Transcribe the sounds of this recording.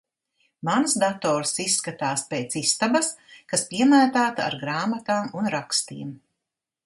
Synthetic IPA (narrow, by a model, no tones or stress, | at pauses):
mansd̪at̪ɔːɾsisːkat̪aːspʲeːt̪sist̪abɐskaspiɛmaːt̪aːt̪a̰ɾɡɾaːmat̪aːmunɾakst̪iɛm